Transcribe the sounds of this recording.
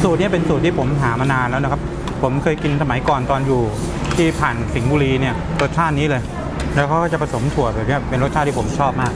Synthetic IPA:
suː˨˩t̪̚ni˥˩pe˧nsu˨˩t̪ʰːiː˥˩pʰo˩˦mɦaː˩˦ma˧naː˧nlɛ˦˥wna˦˥kʰa˦˥p̚ʰ | o˩˦mkʰɤː˧jki˧nsa˧ma˨˩˦jkɔː˨˩nt̪ɔː˧njuː˨˩ | t̪ʰiː˥˩pʰaː˨˩nsi˩˦ŋbuː˧ɾiː˧ni˥˩ɐɾo˦˥t̪̚t͡ɕʰaː˥˩t̪̚niː˦˥lɤː˧j | lɛː˦˥kʰa˦˥kʰɔː˥˩t͡ɕa˨˩pʰa˧so˩˦mt̪ʰu˨˩əbɛː˨˩ni˦˥˩ɐpe˧nɾ̚t͡ɕʰa˥˩t̪ʰːiː˥˩o˩˦m˩t͡ɕʰɔː˥˩p̚maː˥˩k̚

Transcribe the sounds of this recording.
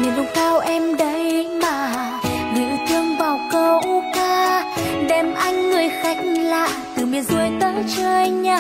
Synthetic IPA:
ni˨˩ɗʊ˧˦ŋ͡mt̪ʰaː˧wʔɛ˧mɗə˧˦jmaː˨˩ | ɗɨ̰˧˥t͡ɕɨ˧əŋvaː˨˩wkə˧ʔkaː˧ | ɗɛ˨˩mʔa˧jŋ̟ːɨ˨˩əjxa˨˦˥jk̟̚la̰ː˧˨t̪ɨ˨˩mi˨ənzu˧əjt̪əː˨˦t͡ɕəː˧jɲaː˧˩

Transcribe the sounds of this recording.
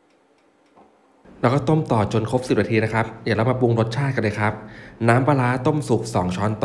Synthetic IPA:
lɛː˦˥kːɔ˥˩t̪o˥˩mt̪ɔː˨˩t͡ɕo˧nkʰo˦˥p̚si˨˩p̚na˧t̪iː˧na˦˥kʰa˦˥p̚jaː˨˩lɛ˦˥wmaː˧pu˧ŋɾo˦˥t̪̚t͡ɕʰaː˥˩ka˧nlɤː˧jkʰɾa˦˥p̚naː˦˥mpaː˧laː˦˥t̪o˥˩msu˨˩k̚sɔː˩˦ŋt͡ɕʰɔː˦˥nt̪ː

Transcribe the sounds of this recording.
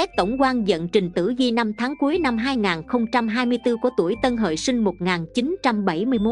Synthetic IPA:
ɛ˦˥k̚t̪ə˧˩wŋ͡mkwaː˧nzə̰˧˨nt͡ɕï˨˩ŋ̟t̪ɨ̰˧˩zi˧na˧mt̪ʰaː˨˦ŋku˨˦əjna˧mɦaː˧jŋaː˨˩nxə˧wŋ͡mt͡ɕa˧mɦaː˧jmɨ˧əjt̪ɨ˧ku˧˩ət̪u˧˩əjt̪ə˧nɦə̰ː˧˨jsï˧ŋ̟mo˨˩ŋaː˨˩nt͡ɕi˨˦nt͡ɕa˧mɓa˧˩jmɨ˧əjmo˦˥

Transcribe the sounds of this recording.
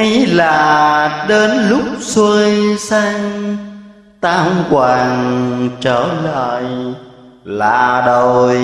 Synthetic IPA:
ə˨˧jlaː˨˩ɗe˨˧˦nlʊ˦˥k͡p̚swə˧jsa˧ŋ | t̪aː˧hə˧wŋ͡mkwaː˨˩ŋt͡ɕəː˧˩lə̰ː˧˨j | la̰ː˧˨˩ɗo˨˩j

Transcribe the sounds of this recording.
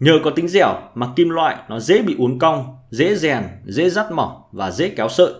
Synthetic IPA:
ɲəː˨˩kɔ˨˦t̪ï˨˦ŋ̟zɛ˧˩wmaː˨˩ki˧mlwa̰ː˧˨jnɔ˨˦zḛ˧˥ɓḭ˧˨ʔu˨˦ənkə˧wŋ͡mzḛ˧˥zɛ˨˩nzḛ˧˥za˦˥t̚mɔ˨˩vaː˨˩zḛ˧˥kɛ˨˦wsə̰ː˧˨j

